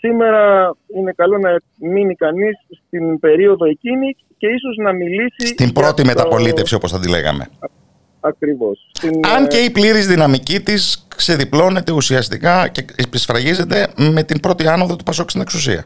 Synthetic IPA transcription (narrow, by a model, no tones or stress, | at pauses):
sime̞ɾɐine̞kɐlo̞nɐ | minikɐnisːt̪inbe̞ɾio̞ðo̞e̞cini | ce̞iso̞znɐmilisist̪imbɾo̞t̪ime̞t̪ɐpo̞lit̪e̞fsio̞po̞sθɐd̪ile̞̰ɣɐ̰me̞̰ | ɐkɾivo̞st̪inɐɲce̞ipliɾizðinɐmicit̪iskseðiplo̞ne̞t̪e̞usiɐst̪ikɐce̞ipisfɾɐʝize̞t̪e̞me̞t̪imbɾo̞t̪iɐnoðot̪upɐso̞kst̪ineksusḭɐ̰